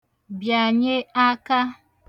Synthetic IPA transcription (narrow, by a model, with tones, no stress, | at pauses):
bja˨ɲe˦a˦ka˦